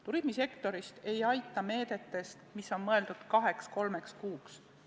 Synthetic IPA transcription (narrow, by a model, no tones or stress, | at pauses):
t̪uɾimise̞kt̪o̞ɾist̪e̞jɑjt̪ːˑɑme̞ːd̪̥e̞t̪ːe̞st̪misːo̞nmɤeld̪ud̪̥kɑɦe̞ksko̞lme̞kskuːks